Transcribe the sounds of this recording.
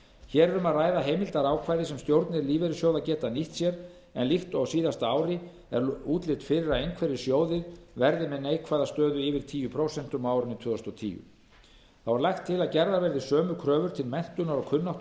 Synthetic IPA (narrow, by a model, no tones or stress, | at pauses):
çɛːɾɛɾʏmaðraːjðaɦejmɪlt̪aɾaːwkʰvaːjðɪsɛmst̪jowɾt̪nɪɾliːvɛɾɪsjowðacɛːt̪aniht̪sjɛɾ | ɛ̰nliht̪ɔwsiːðast̪aːwɾɪ | ɛɾuːt̪lɪt̪fɪɾɪɾaðejnkʰvɛɾɪsjoːwðɪɾvɛɾðɪmɛðnejkʰvaːjðast̪œːðʏɪːvɪɾ̥t̪ʰiːjʏpʰɾowsɛn̥t̪ʏmaːwɾʏnɪt̪ʰvœːðɔst̪ɔt̪ʰḭːjʏ̰ | θawvaɾlajxt̪ʰːɪlaðcɛɾðavɛɾðɪsœːmʏkʰɾœːvʏɾ̥t̪ʰɪlmɛn̥t̪ʏnaɾɔkʰʏnːaht̪